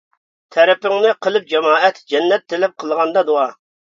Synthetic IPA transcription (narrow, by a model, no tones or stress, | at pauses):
t̪ʰɛɾɛpɪŋnɪqʰəlˠɨp̚d͡ʒɑmɑːɛt̪d͡ʒɛnːɛt̪ʰːelɛp̚qʰəlˠʁɑnd̪ɑd̪uɑ